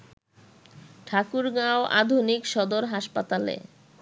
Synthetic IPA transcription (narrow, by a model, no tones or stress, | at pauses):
ʈʰakuɾɡãoʔa̰d̪ʱunikʃɔd̪oɾɦaʃpat̪alḛ